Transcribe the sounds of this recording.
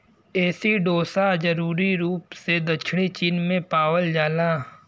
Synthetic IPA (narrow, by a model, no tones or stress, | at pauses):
ɛːsiɖoːsad͡ʒɐɾuːɾiɾuːpsed̪ɐt͡ʃʰɽ̃it͡ʃinmẽpaːwəld͡ʒaːlaː